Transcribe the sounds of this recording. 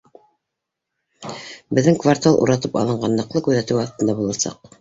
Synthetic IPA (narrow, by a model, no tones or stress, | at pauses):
bɘ̆ðːɘŋkvart̪alˠʔṵɾɑt̪ɤpɑ̰lˠɤ̆ɴɢɑnːɤ̆qlˠɤkʉðæt̪ɘwɑθt̪ɤnd̪ɑbulˠɑsɑ̰q